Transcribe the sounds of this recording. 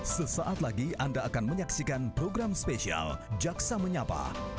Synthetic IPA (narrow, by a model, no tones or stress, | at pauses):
səsaʔat̪laɡiʔandaːkanməɲaksikanpɾoɡɾamspesia̰ld͡ʒaksaməɲapa̰